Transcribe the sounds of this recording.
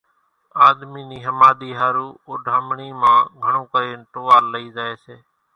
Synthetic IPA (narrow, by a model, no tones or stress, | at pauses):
aːd̪miːniːɦəmaːd̪iːɦaːɾuːoːɖʱaːmɳiːmãːɡʱəɳõːkəɾeːnʈ̪oːʋaːlːəiːzaːeːseː